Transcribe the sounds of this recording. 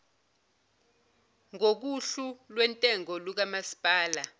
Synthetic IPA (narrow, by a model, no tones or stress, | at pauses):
ŋok̬uɬulwɛntʼɛŋɔluk̬amasi̥pʼaːla